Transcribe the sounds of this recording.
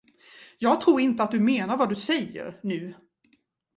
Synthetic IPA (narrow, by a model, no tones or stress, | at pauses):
jɑːɡ̚t̪ʰɾuːɾɪnt̪əat̪̚d̪ɵmeːnaɾvad̪ɵsɛjːə̰ɾnʉ̟ː